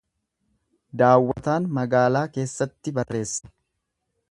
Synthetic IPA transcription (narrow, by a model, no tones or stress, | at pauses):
d̪aːwːɐt̪aːnmɐɡaːlaːke̞ːsːɐt̪ːɪbɐrːe̞ːsːɐ̥